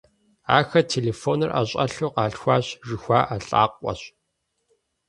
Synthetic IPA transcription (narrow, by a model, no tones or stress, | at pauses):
a̰ːxɐtʰeːleːfoːnɨrʔa̰ɕʼɐ̰ɬuqɑːɬxʷaːɕʒɪxʷaːʔaɬʼa̰ːqʷʼɔ̰ɕ